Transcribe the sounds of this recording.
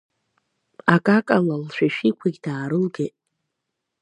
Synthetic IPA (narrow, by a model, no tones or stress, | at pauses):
akʼakʼalalʃʷᶣaʃᶣikʷʰiɡʲdaːɾɨlɡetʼ